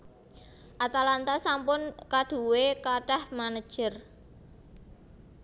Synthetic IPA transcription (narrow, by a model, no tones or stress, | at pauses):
ʔat̪alant̪asampʊnkaɖ̪̥ṳwekaɖahmanəd̥ʒ̥ə̤r